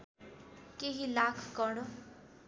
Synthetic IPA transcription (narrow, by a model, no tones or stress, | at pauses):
keɦilaːkʰkɔɽo